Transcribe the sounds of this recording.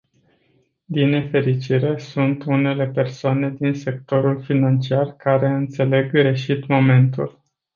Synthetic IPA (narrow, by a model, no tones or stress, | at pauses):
d̪inːefe̞ɾit͡ʃiɾe̞sunt̪une̞le̞pe̞rsoane̞d̪inse̞k̚t̪o̞ɾulfinant͡ʃiarkaɾe̞ɨnt̪se̞le̞ɡːre̞ʃit̪mo̞me̞nt̪ṵl